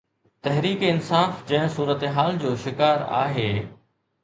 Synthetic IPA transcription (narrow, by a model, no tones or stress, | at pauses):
t̪ɐɦɾiːkɪnsaːfd͡ʑɐ̃ɦɪ̃suːɾət̪eɦaːld͡ʑoːʃɪkaːɾa̰ːɦeː